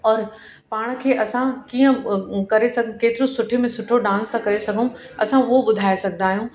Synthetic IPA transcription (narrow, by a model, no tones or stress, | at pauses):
ɔːɾ | paːɽ̃kʰeːʔɐsãkiːə̃kɐɾesɐɡʱkeːt̪ɪɾõsʊʈʰemẽsʊʈʰoɖãːnst̪ʰãkɐɾesɐɡʱũ | ɐsãʋoɓʊd̪ʱaːesɐɡʱnd̪aːɦijũː